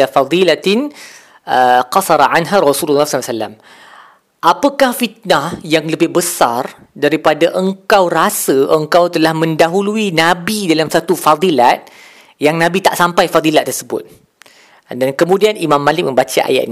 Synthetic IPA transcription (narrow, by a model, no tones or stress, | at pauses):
afɑd̪ˤilat̪ɪn | əqɑsɑɾˤʕanɦaɾɔsululːahssalːa̰m | ʔapəkahfit̪̚nahjaŋləbɪhbəsar | daɾipadaʔəŋkawrasəʔəŋkawt̪əlahmə̃ndaɦuluinabidalamsat̪ufad̪ˤilat̪̚ | jaŋnãbit̪aʔsampajfad̪ˤilaʔt̪ːərsəbʊ̰t̪̚ | dankəmũdianʔimãmːãlɪk̚mə̃mbat͡ʃa̰ʔa̰ja̰ʔni